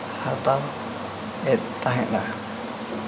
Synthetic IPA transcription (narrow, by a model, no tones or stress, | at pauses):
hat̪a | et̪aɦẽʔɾa